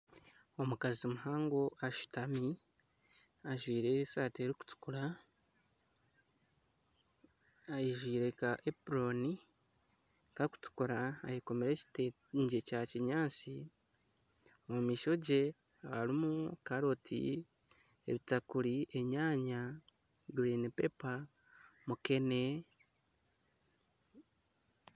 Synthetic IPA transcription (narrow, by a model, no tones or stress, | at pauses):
o̞mukazimuɦaːŋɡo̞ʔaʃu̥tami | aʒwiːɾe̞saːteɾiku̥tu̥kuɾa | ajiʒwiːɾe̞kaʔepɾo̞ni | kaku̥tu̥kuɾa̰ːjiko̞meɾe̞cte | ɲɟecaciɲaːt͡si | omumiːʃo̞ɟe̞ | aaɾimukaɾo̞tʰḭ | ḛβitakuɾiʔe̞ɲaːɲa | ɡuɾinipe̞pamuke̞ne